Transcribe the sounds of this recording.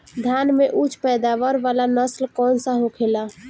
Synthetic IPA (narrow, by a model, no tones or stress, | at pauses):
d̪ʱjanmeʔut͡ʃʰpɛd̪aʋəɾʋalanəslkɔːnsə̃ɦũkʰela